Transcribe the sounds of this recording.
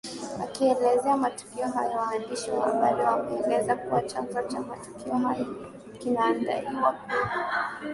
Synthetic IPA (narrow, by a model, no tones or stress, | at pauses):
a̰kiɛlɛzɛamatu̥kiɔɦajɔwaːndiʃḭwa̰ɓalawamɛɔŋɡɛzakuwat͡ʃanzɔt͡ʃamatu̥kiɔɦajɔ | kinaːnda̰ɾiwa